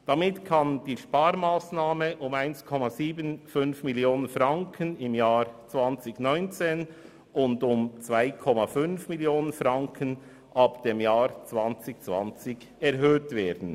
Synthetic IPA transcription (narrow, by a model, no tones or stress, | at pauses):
d̥ɑmɪtkʰɑnd̥iːʃpaːɾmaːsnaːməʔʊmaɪnskʰɔmɑziːbənfʏnfmiljoːnənfrɑŋkʰənɪmjaːɾt͡svɑnt͡sɪçnɔʏnt͡seːn | ʊndʊmt͡svaɪkʰɔmɑfʏnfmiljoːnənfrɑŋkʰən | ʔɑpd̥emjaːɾt͡svɑnt͡sɪçt͡svɑ̰nt͡sɪç | ɛɾɦøːtveːɾdn̩